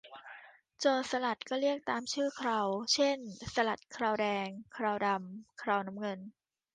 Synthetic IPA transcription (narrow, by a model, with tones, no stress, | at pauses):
t͡ɕoː˧˩t̪̚sa˧la˨˩t̪̚kɔː˥˩ɾi˥˩ək̚t̪aː˧mt͡ɕʰɯː˥˩kʰɾa˧wt͡ɕʰe˥˩nsa˧la˨˩t̪̚kʰɾaː˧wdɛː˧ŋkʰɾaː˧wda˧mkʰɾaː˧˩wna˦˥mŋɤ˧n